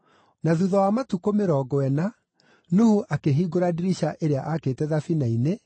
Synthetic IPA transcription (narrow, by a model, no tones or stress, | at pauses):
naðuðɔwamatukomeɾɔɡɔɛna | nuhuʔakeɦiɡoɾadiɾiʃaʔeɾeaʔakeːtɛðafinaine